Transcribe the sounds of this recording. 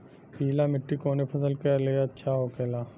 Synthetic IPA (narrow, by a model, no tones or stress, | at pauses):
piːlamɪʈːikoːnepʰɐsəlkɐleɐtːʃʰaɦoːkeːlaː